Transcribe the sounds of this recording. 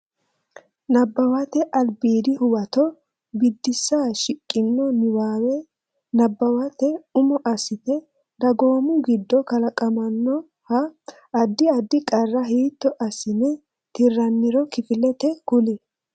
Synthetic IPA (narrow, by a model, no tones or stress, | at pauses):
nɐbːɐwɐt̪ɛʔɐlbiːd̪ɪhʊwɐt̪ɔ | bɪd̪ːɪsːaːʃɪkʼːɪnːɔnɪwaːwɛ | nɐbːɐwɐt̪ɛʊmɔʔɐsɪt̪ɛ | d̪ɐɡo̞ːmʊɡɪd̪ːɔkɐlɐkʼɐmɐnːɔ | hɐː | d̪ːɪɐd̪ːɪkʼɐrːɐɦiːt̪ːɔʔɐsɪnɛ | t̪ɪrːɐnːɪɾɔkɪfɪlɛt̪ɛkʊlɪ